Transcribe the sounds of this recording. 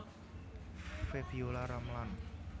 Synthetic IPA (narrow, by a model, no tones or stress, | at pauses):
fefiolaɾamlan